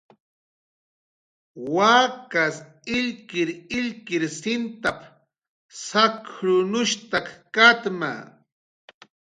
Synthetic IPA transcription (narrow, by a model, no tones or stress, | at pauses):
waːkas | ɪʎkɪɾɪʎkɪɾsɪnt̪ap | sakɾʊnʊʃt̪akkat̪ma̰